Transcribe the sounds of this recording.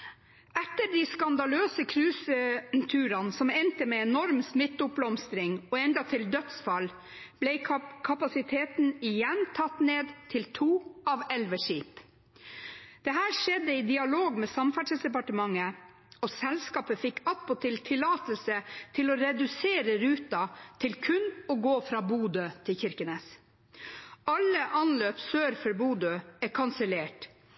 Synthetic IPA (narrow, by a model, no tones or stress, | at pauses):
ɛt̪ːəɾɖ̪ɪskɑnd̪ɑløːsəkʰɾʉːsət̪ʰʉːɾɑnsɔmɛnt̪əmɛɛnɔɾmsmɪt̪ːʊp̚blɔmst̪ɾɪŋɔɛnd̪ɑt̪ʰɪld̪œt̪sfɑl | b̥lɛɪkʰɑpɑsɪt̪ʰeːt̪n̩ɪjɛnt̪ʰɑt̪neːd̪t̪ʰɪlt̪ʰuːɑʋɛlʋəʂiːp | d̪̥ɛɦæːɾʂɛd̪ːəɪd̪ɪɑloːɡmɛːsɑmfæʈʂəsd̪ɛpɑʈəmɑŋːə | ɔsɛlskɑːpəfɪkʰːɑt̪̚pʰɔt̪ʰɪlt̪ʰɪlɑːt̪əlsət̪ʰɪlɔɾɛd̪ʉseːɾəɾʉːt̪ɑt̪ʰɪlkʰʉnɔɡoːfɾɑːbuːd̪øːt̪ʰɪlçɪɾkəneːs | ɑlːəʔɑnløːpsøːɾfœɾbuːd̪øːækʰɑnsəleːʈ